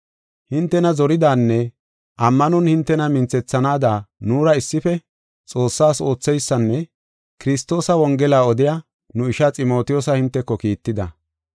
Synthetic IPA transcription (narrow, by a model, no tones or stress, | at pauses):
hɪnt̪ːɛnɐzɔɾɪd̪aːnːɛ | ʔɐmːɐnɔnhɪnt̪ːɛnɐmɪnt͡sːɛt͡sːɐnaːd̪aːnuːɾɐɪsːɪfɛ | t͡sʼo̞ːsːaːso̞ːt͡sːɛjsːɐnːɛ | kɪɾɪst̪o̞ːsɐwɔŋɡɛlaːɔd̪ɪjaː | nʊɪʃat͡sʼɪmo̞ːt̪ɪjɔsɐhɪnt̪ːɛkːɔkiːt̪ːɪd̪ɐ